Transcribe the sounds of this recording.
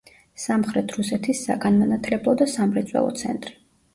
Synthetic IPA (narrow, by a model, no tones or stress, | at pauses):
samχɾɛt̪ʰɾusɛt̪ʰisːa̰ɡanmanat̪ʰlɛblɔd̪asamɾɛt̪sʼwɛ̰lˠɔ̰t̪sʰɛ̰nt̪ʼɾi